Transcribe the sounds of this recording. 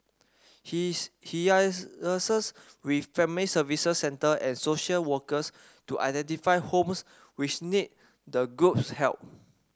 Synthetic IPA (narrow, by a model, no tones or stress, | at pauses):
hhiəsəs | wiffɛ̃mlisəvisəsːɛ̃ntəʔɛ̃nsoʃəlwəkəs | tuʔa̰jdɛ̃ntifajhõms | wit͡ʃnit̚ | dəɡɹup̚shɛ̰lp̚